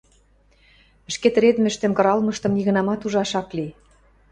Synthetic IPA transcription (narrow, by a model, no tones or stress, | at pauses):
ɘ̆ʃket̪̆ɾed̪mɘ̆ʃt̪ɘ̆mkɤ̆ɾɑlmɤʃt̪ɤ̆mniɣɤ̆nɑmɑt̪uʒɑʃɑkli